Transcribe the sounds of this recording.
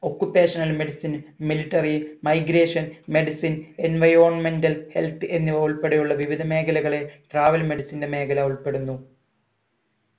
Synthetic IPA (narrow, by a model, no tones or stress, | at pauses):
o̞kːupːeːʂɐnɐlmeɽisinmiliʈːɐrimɐjɡɾe̞ːʂɐnme̞ɖisinenʋɐjɾoːrɳme̞ndɐlhe̞̰lt̪ɨʔe̞nːiʋɐuɭpe̞ɽejuɭːɐʋiʋid̪ʱɐme̞ːkɐlɐɣɐɭe̞ʈraːʋɐlme̞ɽisinde̞me̞ːkʰɐlaːuɭpe̞ɽunːu